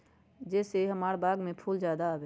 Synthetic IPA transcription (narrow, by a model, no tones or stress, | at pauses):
d͡ʒɛːseɦəmaːɾbaːɡmẽpʰuːld͡ʒjaːd̪abeː